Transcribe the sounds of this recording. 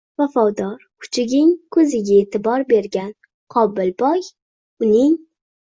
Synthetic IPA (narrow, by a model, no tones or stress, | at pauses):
vafɒd̪ɒɾkʰʊ̥t͡ʃʰɪɡʲɪŋkʰɵzɪɡʲaet̪ʰɪbɒɾbe̞ɾɡʲan | qʰɒbɪlbɒj | ʊnɪŋ